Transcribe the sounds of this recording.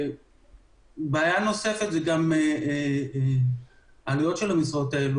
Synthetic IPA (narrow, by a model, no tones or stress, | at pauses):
baːjanosefet̪zeɡame | alijot̪ʃelamisʁaot̪aelu